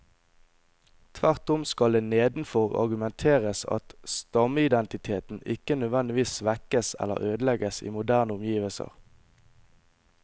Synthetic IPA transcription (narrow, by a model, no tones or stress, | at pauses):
t̪ʰʋæʁt̪ʊmskɑld̪eːneːd̪n̩fɔʁɑ̰ʁɡʉmɛnt̪ʰeːʁəsɑ̰t̪st̪ɑməɪd̪ɛnt̪ɪt̪ʰeːt̪n̩ɪkənœd̪ʋɛnd̪ɪʋiːsʋɛkəsɛ̰lːə̰ʁøːd̪əlɛɡəsḭːmʊd̪æːʁnəʊmjiːʋəlsə̰ʁ